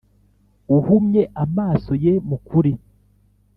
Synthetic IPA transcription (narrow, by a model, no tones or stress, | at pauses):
uhumɲe̞ʔamaːso̞jemukuɾi